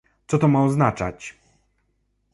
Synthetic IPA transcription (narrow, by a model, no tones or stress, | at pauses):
t̪sɔt̪ɔmaɔznat͡ʂa̰t͡ɕ